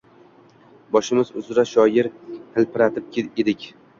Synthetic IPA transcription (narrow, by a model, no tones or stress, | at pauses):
bɒʃɪmɪzʊzɾaʃɒjɪɾhʰɪlpɪɾat̪ʰɪp̚ʰʲed̪ɪkʲ